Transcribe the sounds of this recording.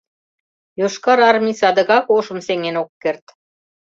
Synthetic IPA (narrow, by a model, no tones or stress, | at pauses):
joʃkɑɾɑrmʲisɑd̪ə̆ɣɑkoʃə̆mseŋenokːert̪